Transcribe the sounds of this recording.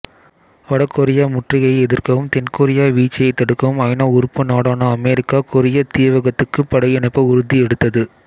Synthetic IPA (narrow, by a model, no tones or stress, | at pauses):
ʋɐɽɐkːɔɾɪjaːmʊʈrɪɣɐɪɛðɪrkɐʋɯmt̪ɛnkoːɾɪjaːʋiːt͡ʃːɐjɐɪt̪ːɐɽɯkːɐʋɯmɐɪnaːʊɾɯpːɯnaːɽaːnɐɐmɛɾɪkːaːkʊɾɪjɐt̪iːʋɐɣɐt̪ːɯkːɯpːɐɽɐɪjɛnɐɪpːɐʊɾɯðiɛɽɯt̪ːɐðɯ